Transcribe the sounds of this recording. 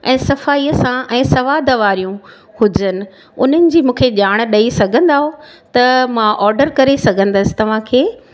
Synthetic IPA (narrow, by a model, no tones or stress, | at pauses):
ɛ̃ːsɐfaːiːəsãʔɛ̃ːsɐʋaːd̪ʱəʋaːɾijũ | hʊd͡ʑənɪ̆ | ʊn̤ənɪ̆d͡ʑiːmũːkʰeʄaːɽ̃ɗɐisɐɡʱə̃nd̪aːɦot̪ɐmãʔɔːɾɖəɾkɐɾesɐɡʱə̃nd̪əsɪ̥t̪ɐʋ̤ãkʰeː